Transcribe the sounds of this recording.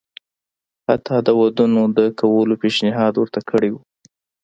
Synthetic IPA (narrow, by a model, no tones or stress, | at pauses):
hat̪ʰɑd̪əwad̪unod̪əkʰawəlopeʃnɪɦɑd̪wəɾt̪akʰəɽewu